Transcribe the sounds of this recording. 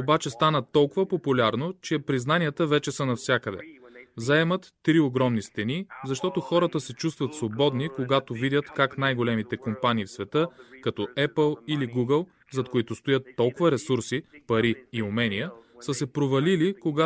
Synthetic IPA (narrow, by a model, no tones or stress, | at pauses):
obat͡ʃɛst̪anət̪ɔlˠkʊvəpopulʲaɾnot͡ʃɛpɾiznaniət̪əvɛt͡ʃɛsənɐfsʲjakəd̪ɛ̰zɐɛmət̪ːɾioɡɾɔmnist̪ɛnizɐʃt̪ɔt̪oxɔɾət̪əsɛt͡ʃust̪vət̪svobɔd̪nikoɡat̪ovid̪ʲjət̪kaknajɡolɛmit̪ɛkompaniːfsvɛt̪ɤkɐt̪ɔɛpəlˠiliɡuɡəlˠ | zɐt̪koit̪ʊst̪ojət̪ːɔlˠkʊvəɾɛsuɾsipɐɾiːʊmɛnijəsəsɛpɾovɐlilikoɡa